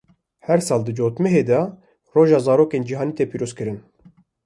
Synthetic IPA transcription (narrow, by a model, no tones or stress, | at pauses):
hɛɾsɑːld̪ɨd͡ʒoːt̪mɛɦeːd̪ɛ | roːʒɑːzɑːɾoːkeːnd͡ʒiɦɑːniːt̪epiːɾoːzkɨɾɨn